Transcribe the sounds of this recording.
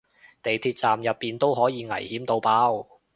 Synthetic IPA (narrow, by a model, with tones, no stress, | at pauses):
t̪e˨jt̪ʰiː˧t̚t͡saː˨mjɐ˨pːiː˨nt̪o˥wɦɔː˨˥jiː˨˧ŋɐ̰˨˩jhiː˨˥mt̪o˧wpaː˥w